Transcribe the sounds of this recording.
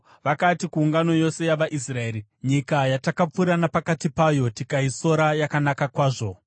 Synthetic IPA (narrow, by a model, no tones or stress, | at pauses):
ʋakatikuːŋɡano̞jo̞se̞jaʋaʔisrae̞ːɾiɲikajatakap͡fuɾanapakatipajo̞tikaiso̞ɾajakanakakwaːʐo̞